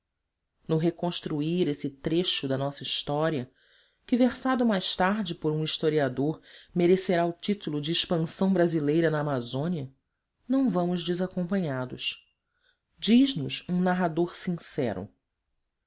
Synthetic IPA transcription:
nʊɦekõʃt̪ɾuiɾesɪt̪ɾeʃʊd̪ɐnɔsɐiʃt̪ɔɾiɐ | kɪveɾsad̪ʊmajʃt̪aɾd͡ʒɪpoɾũiʃt̪oɾiad̪oɾmeɾeseɾaʊt͡ʃit̪ulʊd͡ʒɪːʃpɐ̃sɐ̃w̃bɾazilejɾɐnɐːmazõniɐ | nɐ̃w̃vɐ̃mʊzd͡ʒɪzakõmpɐ̃ɲad̪ʊ̰ʃ | d͡ʒiʒnʊʃũnaɦad̪oɾsĩsɛ̰ɾʊ̰

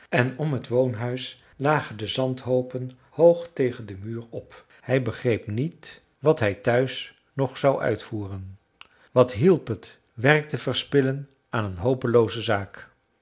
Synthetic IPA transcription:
ɛnɔmɦətʋownɦœɥs | laːχəndəzɑntɦowpən | howχtejχəndəmyːrɔp | hɛjbəχrejpnit | ʋɑtɦɛjtœɥs | nɔχsɑwʔœ̰ɥtfuːrən | ʋɑtɦilˠpət | ʋɛrk̚təvəɹspɪlən | ʔaːnənɦowpəlowzəzaːk

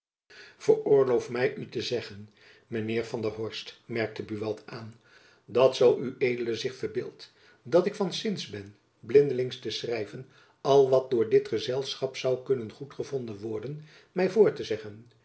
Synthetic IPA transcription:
v̥ərʊːɹlowfmɛjʔytəzɛχən | mənɪːɹvɑndəɦɔɹstmɛɹk̚təbyʋɑtaːn | dɑtsɑlˠyʔejdələzɪχfəɹbɪːlˠt | dɑtɪkfɑnsɪnsbɛn | blɪndəlɪŋstəsrɛjvən | ɑlˠʋɑt̚dʊːɹdɪtχəzɛlˠsχɑpsɑwkɵnənχutχəvɔndənʋɔɹdən | mɛjvʊːɹtəzɛχən

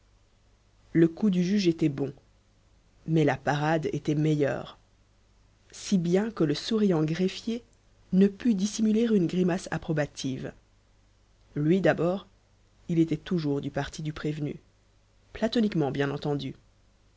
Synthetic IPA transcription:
ləkud̪yʒyʒet̪ɛbɔ̃ | mɛlapaʁad̪ḛt̪ɛmejœ̰ːʁ | sibjɛ̃kələsuʁijɑ̃ɡʁefje | nəpyd̪isimyleʁynɡʁimasa̰pχɔbat̪ʰiv | lɥid̪abɔːʁ | ilet̪ɛt̪uʒuʁd̪ypaʁt̪ʰid̪ypχevny̰ | plat̪ɔnikmɑ̃bjɛ̃nɑ̃t̪ɑ̃d̪y

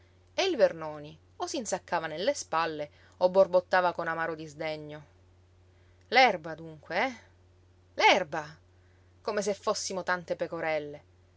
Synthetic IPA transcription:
eilvernoːni | osinsakːaːvanelːespalːe | obːorbot̪ːaːvakonamaːɾod̪izd̪eɲːo | lɛrbad̪uŋkweɛ | lɛrba | komes̬efːosːimot̪ant̪epekoɾɛlːe

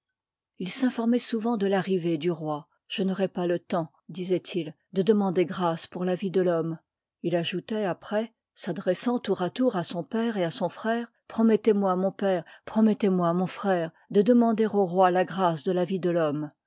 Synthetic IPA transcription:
ilsɛ̃fɔʁmɛsuvɑ̃d̪əlaʁived̪yʁwa | ʒ̥ənɔʁɛpalət̪ɑ̃ | d̪izɛt̪ʰil | d̪əd̪əmɑ̃d̪eɡʁaspuʁlavid̪əlɔm | ilaʒut̪ɛapχɛ | sad̪ʁɛsɑ̃t̪uʁat̪uʁasɔ̃pɛʁeasɔ̃fχɛːʁpχɔmɛt̪emwamɔ̃pɛːʁpχɔmɛt̪emwamɔ̃fχɛːʁ | d̪əd̪əmɑ̃d̪eʁoʁwalaɡʁasd̪əlavid̪əlɔm

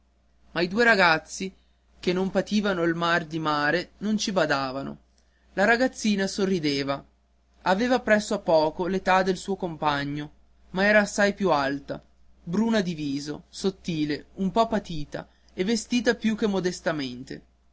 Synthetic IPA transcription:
maid̪uːeɾaɡat̪sːi | kenːompat̪iːvanoilmard̪imaːɾenont͡ʃibad̪aːvano̰ | laɾaɡat̪sːiːnasorːid̪eːva | aveːvapɾɛsːoapːɔːkolet̪ad̪elsuːokompaɲːo | maɛːɾaːsːajpjualt̪a̰ | bɾuːnad̪iviːzo̰sot̪ːiːleumpɔpːat̪iːt̪a̰ | evːest̪iːt̪apjukːemːod̪est̪ament̪ḛ

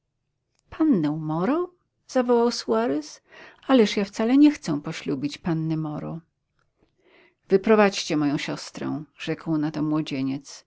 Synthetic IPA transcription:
pʰanːɛ̃w̃mɔɾɔ | z̥avɔwawsuaɾɛs | alɛʂjaft̪salɛɲɛxt̪sɛw̃pɔɕlubʲit͡ɕpanːɛmɔɾɔ̰ | vɘpɾɔvat͡ɕt͡ɕɛmɔjɔ̃w̃ɕɔst̪ɾɛ̰̃ʐ̥ɛkwnat̪ɔmwɔd͡ʑeɲɛt̪s

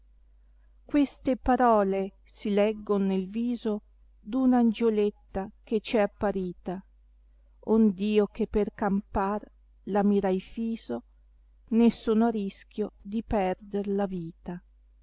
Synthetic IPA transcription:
kwest̪epaɾɔːle | silɛɡːonnelviːzo | d̪unand͡ʒolet̪ːaket͡ʃɛapːaɾiːt̪a | ond̪iːokepːerkampar | lamiɾajfiːzo | nesoːnoaɾisk̟ʲjod̪ipɛrd̪erlaviːt̪a

